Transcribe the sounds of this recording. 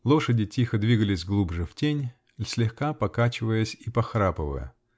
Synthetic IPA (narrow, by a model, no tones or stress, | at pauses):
lˠo̞ʂədʲɪtʲixəd̪vʲiɡəlʲɪsʲɡlˠubʐɨftʲenʲ | lʲsʲlʲɪxkapɐkat͡ɕɪvəjəsʲipɐxɾapəvə̰jə̰